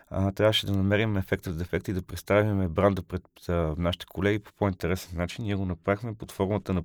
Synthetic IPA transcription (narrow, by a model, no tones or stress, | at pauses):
t̪ɾʲavəʃɛd̪ɐnɐmɛɾimɛfɛkt̪əvd̪ɛfɛkt̪id̪ɐpɾɛt̪st̪avʲimɛbɾand̪əpɾɛt̪naʃi̥t̪ɛ̥kʰolɛɡipo̥point̪ɛɾɛsɛnːat͡ʃiniɛɡonɐpɾaxmɛpot̪fɔɾmət̪ənɐ